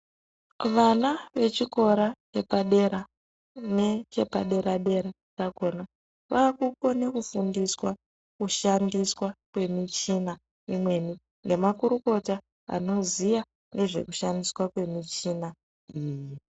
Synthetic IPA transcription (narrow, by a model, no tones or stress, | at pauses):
ʋanaʋe̞t͡ʃiko̞ɾat͡ʃe̞paɗe̞ɾa | net͡ʃe̞pa̰ɗe̞ɾaɗe̞ɾa | t͡ʃako̞na | ʋaːkuko̞ne̞kufundiswa | kuʃandiswakwe̞mit͡ʃina | imwe̞ni | ŋɡe̞makuɾuko̞ta | a̰no̞zija | nɡe̞ʐe̞̰kuʃandiswakwe̞mit͡ʃina | iːji